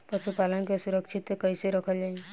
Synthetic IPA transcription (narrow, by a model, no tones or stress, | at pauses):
pəʃupalənkesuɾəkʃʰit̪kəiseɾəkʰəld͡ʒaĩ